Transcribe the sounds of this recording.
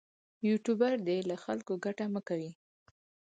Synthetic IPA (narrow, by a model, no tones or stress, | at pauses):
juʈubaɾd̪elaxalkoɡaʈaməkawi